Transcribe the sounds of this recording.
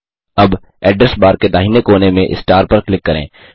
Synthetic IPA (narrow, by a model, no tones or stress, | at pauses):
ɐb | ɛːɖɾəsbaːɾked̪aːɦinekoːnemẽʔɪ̰sʈaːɾpɐɾklɪkːɐɾḛ̃ː